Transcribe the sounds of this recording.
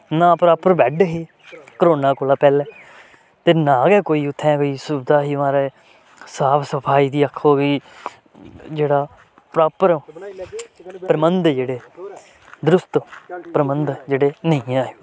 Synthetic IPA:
nãːpəɾaːpəɾbɛːɖɦiː | kəɾoːnãːkoːlaːpɛːlɛː | t̪eːnaːɡɛːkoːiːʊt̪ʰːɛ̃ːkoiːsʊbd̪aːɦiːʋãːɾeː | saːpʰsəpʰaːiːd̪iːəkʰːoːki | d͡ʒeːɽaː | pɾaːpəɾ | pɾəmənd̪d͡ʒeːɽeː | d̪ɾʊst̪pɾəmənd̪d͡ʒeːɽeːnəĩːãːe

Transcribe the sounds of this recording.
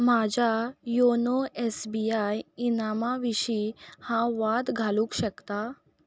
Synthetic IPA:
m̤ad͡ʑʱajonoɛsbijajinamaʋiɕihãʋad̪ɡʱalũːkɕəkt̪a

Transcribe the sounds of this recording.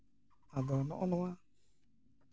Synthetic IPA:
adɔnɔ̰ʔɔnɔwa

